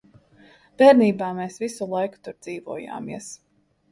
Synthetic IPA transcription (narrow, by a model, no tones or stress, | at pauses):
b̥ɛːɾniːbaːmeːsvisulˠajku̥t̪uɾd̪z̥iːvuɔja̰ːmḭɛs